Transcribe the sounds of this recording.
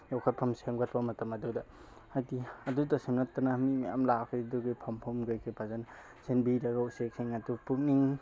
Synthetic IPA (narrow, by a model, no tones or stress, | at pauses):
jɔwkʰatpʰɐmseŋbatʰbamɐtɐmɐdudɐ | hajdiɐdudɐsimnɐtːanamimaja̰mlakʰɯjduɡɯjpʰampʰumɡajkʰɯjpʰazan | senbiɾɐɡawsek̚seŋɐdupuk̚niŋ